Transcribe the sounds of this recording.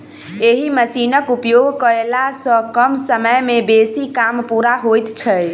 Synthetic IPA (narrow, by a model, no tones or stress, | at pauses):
eɦiməsinəkupjoɡʱkəelasə̃kəmsəməjmebesikampuɾaɦojt̪t͡ʃʰəj